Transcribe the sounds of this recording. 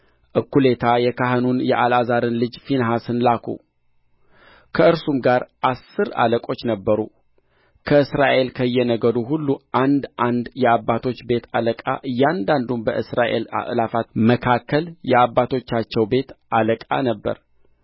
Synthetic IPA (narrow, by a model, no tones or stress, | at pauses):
ʔɨkːule̞t̪ʰajɛkaɦɨnunjɛʔalazaɾɨnlɨd͡ʒfinɦasɨnlakʰṵ | kʰəɨɾsumɡaɾʔasːɨɾa̰ləkʼo̞t͡ʃːnəbːəɾu | kʰəɨsɾaʔe̞lkʰəjːɛnəɡəd̪uɦulːuʔand̪ʔand̪jɛabːat̪ʰo̞t͡ʃːbe̞t̪ʰaləkʼa̰ʔɨjːand̪and̪umbəʔɨsɾaʔe̞̰la̰ʔlafat̪məkʰakʰːəljɛabːat̪ʰo̞t͡ʃːat͡ʃːɛwbe̞t̪ʔaləkʼa̰nəbːə̰ɾ